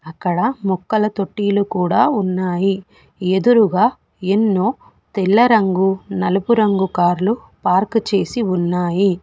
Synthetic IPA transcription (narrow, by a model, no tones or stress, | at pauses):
ɐkːɐɽɐmukːɐlɐt̪o̞ʈːiːlukuːɽaːunːaːji | e̞d̪uɾuɡaː | enːoː | t̪ilːɐɾɐŋɡunɐlɐpuɾɐŋɡukaːɾlu | paːɾkt͡ʃe̞ːsiunːaːji